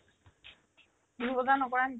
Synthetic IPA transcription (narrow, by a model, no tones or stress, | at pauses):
bʱubɔdanɔkɔɹani